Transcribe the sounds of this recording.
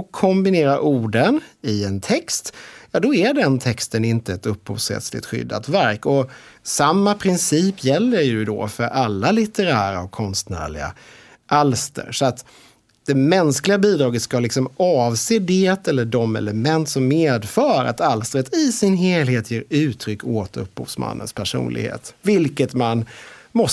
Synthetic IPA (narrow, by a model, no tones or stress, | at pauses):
kʰɔmbɪneːɾaɾʔuːɖənɪɛnt̪ʰɛkst̪jɑːd̪ɔæɖɛnt̪ʰɛkst̪ənɪnt̪əɛt̪ɵpːhṵːvshɛ̰t̪slɪ̰t̪ɧʏ̰d̪ːa̰t̪væɾkɔ | samːapʰɾɪnsiːpjɛlːəɾjɵd̪ɔ̰fœɾʔalːalɪt̪əɾæːɾa̰ɔkʰːɔnst̪næ̰ːɭɪɡa̰ | ʔalst̪ə̰ɾʂɔat̪ | d̪̥ɛmɛnsklɪɡabiːd̪ɾɑːɡət̪skalɪksɔmɑːvseːd̪eːt̪ɛlːəɖɔmɛ̰ləmɛnt̪sɔmːeːd̪fœːɾa̰t̪alst̪ɾət̪ɪsɪnɦeːlheːt̪ʰjeːɾʉ̟ːt̪ʰɾʏkːoːt̪ɵpːhṵːvsma̰nːə̰nspʰæʂṵːnlɪ̰ɡhḛːt̪vɪlkət̪manmɔ